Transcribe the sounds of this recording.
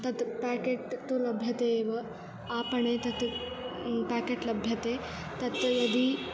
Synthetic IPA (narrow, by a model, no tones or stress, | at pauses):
t̪ɐt̪pækeʈt̪olɐbʱjɐt̪eːʋɐ | apəɳet̪ɐt̪ | pækeʈlɐbʱjɐt̪e | t̪ɐt̪jɐd̪i